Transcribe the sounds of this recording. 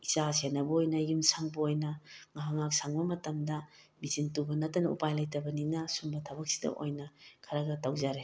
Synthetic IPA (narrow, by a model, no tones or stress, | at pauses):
izasenɐbɐojnɐjumsaŋbɐojnɐŋaɦaŋak̚saŋbɐmɐtɐmdɐmisintubɐnɐtːɐnɐṵpajlajtɐbɐninɐsumbɐtʰɐbɐk̚si̥dɐ̰ʔo̰jnɐkʰɐɾaɡɐtawzaɾe